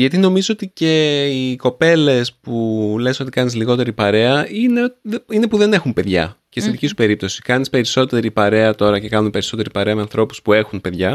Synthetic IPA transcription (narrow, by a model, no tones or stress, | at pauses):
ʝɐt̪ino̞mizoot̪ice̞iko̞pe̞le̞spule̞so̞t̪i̥kɐnizliɣo̞t̪e̞ɾipɐɾe̞ɐineoine̞puðe̞ne̞xumpe̞ðʝɐ̰cest̪inðicisu̥pe̞ɾip̚t̪o̞si̥kɐnispe̞ɾiso̞t̪e̞ɾipɐɾe̞ɐt̪o̞ɾɐce̞kɐnumpe̞ɾiso̞t̪e̞ɾipɐɾe̞ɐme̞ɐnθɾo̞pu̥spue̞xunpe̞ðʝɐ